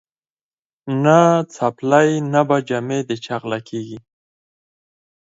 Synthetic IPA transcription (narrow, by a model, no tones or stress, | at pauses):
nat͡saplajnabad͡ʒamed̪ət͡ʃaɣlakʰeɡi